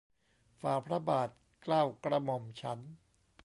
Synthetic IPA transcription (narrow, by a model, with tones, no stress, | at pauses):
faː˨˩pʰɾa˦baː˨˩t̪̚ | klaː˥˩wkɾa˧mɔ˨˧mt͡ɕʰa˦˥n